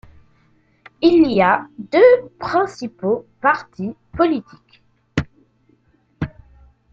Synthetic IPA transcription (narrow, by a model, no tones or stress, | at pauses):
iliad̪øpχɛ̃sipopaʁt̪ipɔlit̪i̥k